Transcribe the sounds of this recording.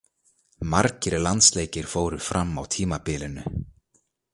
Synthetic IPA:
maɾcɪɾlant̪sleːjcɪɾ̥foːwɾʏ̥fɾamːa̰wt̪ʰiːmapɪːlɪnʏ

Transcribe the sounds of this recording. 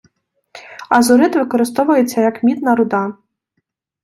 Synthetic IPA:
ɐzʊɾɪt̪ʋɪkɔɾɪst̪ɔʋʊjet͡sʲːɐjɐkmʲid̪nɐɾʊd̪ɑ

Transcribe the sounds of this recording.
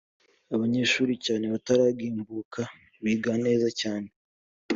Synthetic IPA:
aβaɲe̞ːʃuːɾicaːne̞βataɾaːɡiːmbuːkʰa | βiːɡane̞ːzacaːne̞

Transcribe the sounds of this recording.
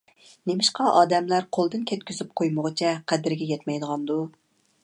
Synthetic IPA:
nemɪʃqʰɑʔɑːd̪ɛmlæɾqʰolˠd̪ɨnkʲʰɛt̪̚kʲyzyp̚qʰojməʁət͡ʃʰɛqʰæd̪ɪɾɡʲɛjɛt̪mɛjd̪əʁɑnd̪u

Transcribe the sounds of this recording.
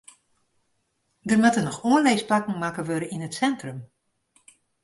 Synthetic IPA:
dərmatənɔxoənlɛjsplakŋ̩makəʋøɾəinətsɛntrəm

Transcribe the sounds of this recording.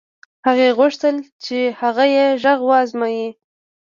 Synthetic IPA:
haɣeɣʊʂt̪əlt͡ʃehaɣajeʒaɣwəɑzmaji

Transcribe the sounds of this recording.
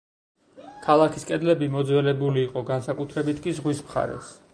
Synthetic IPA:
kʰalˠakʰiskʼɛd̪lɛbimɔd̪zwɛlɛbuliːqʼɔɡansakʼut̪ʰɾɛbit̪ʰkʼizʁwismχa̰ɾɛ̰s

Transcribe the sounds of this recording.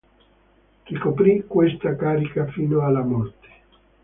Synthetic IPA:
k̟ikopɾikwest̪akaːɾikafiːnoalːamɔrt̪e̥

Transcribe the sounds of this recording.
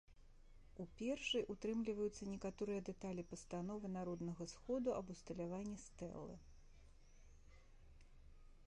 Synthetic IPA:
upʲɛrʂɨjʔut̪ɾɨmlʲivɐjut̪sːɐnʲɛkat̪ɔɾɨjɐd̪ɛt̪alʲipɐst̪anɔvɨnaɾɔd̪nɐɣɐsxɔd̪uʔɐbust̪ɐlʲavanʲːist̪ɛ̰lˠːɨ̰

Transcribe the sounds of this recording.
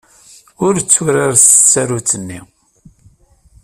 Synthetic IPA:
ʊɾt͡sːʊɾaɾsə̥t͡sːaɾut͡sːənːi

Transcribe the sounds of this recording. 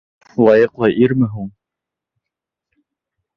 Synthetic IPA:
lˠɑjɤqlˠɑʔiɾmɘɦuŋ

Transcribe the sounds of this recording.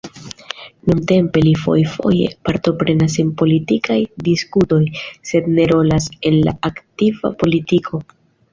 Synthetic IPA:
nunte̞mpe̞lifo̞̰jfo̞̰je̞̰paɾto̞pɾe̞nas̬e̞npo̞litikajdiskuto̞jse̞dne̞ɾo̞lase̞nla̰aktiva̰po̞litikʰo̞

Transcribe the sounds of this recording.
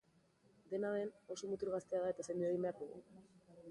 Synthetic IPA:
d̪e̞naðe̞no̞so̞mut̪uɾɣast̪eaðae̞t̪asajnd̪ueɣimbeaɾkoɣṵ

